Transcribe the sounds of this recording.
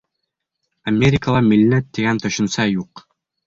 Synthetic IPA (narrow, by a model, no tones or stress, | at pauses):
ɐmʲeɾʲɪkəlˠɑmilnæt̪ːɘɡænt̪ɵ̆ɕɵ̆nsɑjuq